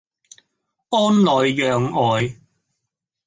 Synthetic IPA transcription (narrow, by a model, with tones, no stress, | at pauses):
ʔɔː˥nlɔː˨˧jjœː˨ŋɔː˨˧j